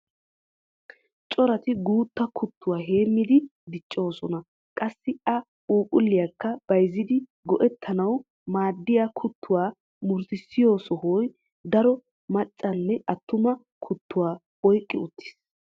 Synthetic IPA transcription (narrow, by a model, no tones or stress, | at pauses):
t͡ʃʼɔɾɐt̪ɪɡuːt̪ːɐkʰʊt̪ːʊwaːɦe̞ːmːɪd̪ɪd̪ɪt͡ʃʼːo̞ːsɔnɐ | kʼɐsːɪɐ | uːkʼʊlːɪjakːɐb̥ɐjzːɪd̪ɪ | ɡɔʔɛt̪ʰːɐnɐw | maːd̪ːɪjakʰʊt̪ːʊwaː | mʊɾsɪsːɪjo̞ːsɔhɔj | d̪ɐɾɔ | mɐt͡ʃʼːɐnːɛʔɐt̪ːʊmɐ | kʰʊt̪ːʊwaː | ɔjkʼːɪʊt̪ːɪ̥s